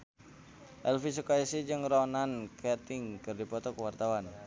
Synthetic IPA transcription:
ʔɛlfis̬ukaisid͡ʒɨŋrɔnankʰɛrt̪ɪŋkɨrdipɔt̪ɔkəwart̪awan

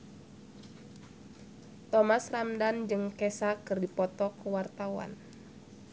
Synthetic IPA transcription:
t̪ɔmasramdand͡ʒɨŋkɛsakɨrdipɔt̪ɔkəwart̪awa̰n

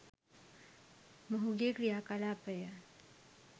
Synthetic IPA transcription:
mɐɦuɡekɾijakalaːpəja

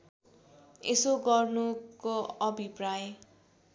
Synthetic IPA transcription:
esoɡʌrnukoʌbʱipraj

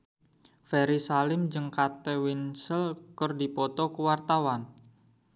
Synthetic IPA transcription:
fɛɾisalɪmd͡ʒəŋkat̪ewɪnsəlkərdipɔt̪ɔkəwart̪awan

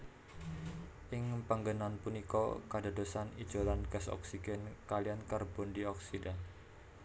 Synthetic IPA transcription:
ʔɪŋpəŋɡənanpunikɔ̰kada̤dosanid̥d͡ʒ̥olanɡ̥asɔ̰ksiɡ̥ɛnkaliankərbɔndiɔksidan

